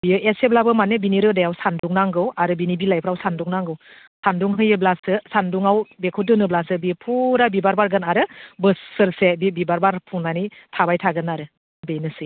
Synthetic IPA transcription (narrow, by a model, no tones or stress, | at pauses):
biɯʔeseblabɯmanebiniɾɯdajawsanduŋnaŋɡɯwaɾɯbinibilajpʰɯɾawsanduŋnaŋɡɯw | sanduŋɦɯjɯblasɯsanduŋawbekʰudɯnɯblasɯbipʰuɾabibaɾbaɾɡɯnaɾɯbɯsɯɾsebibibaɾbaɾpʰuŋnanitʰabajtʰaɡɯnaɾɯ | benɯsɯ